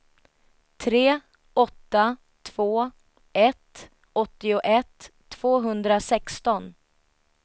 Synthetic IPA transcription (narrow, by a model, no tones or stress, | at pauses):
t̪ʰɾeː | ʔɔt̪ːa | t̪ʰv̥oː | ɛt̪ | ɔt̪ːɪʊʔɛt̪ʰː | v̥oːɦɵnd̪ɾasɛkst̪ɔn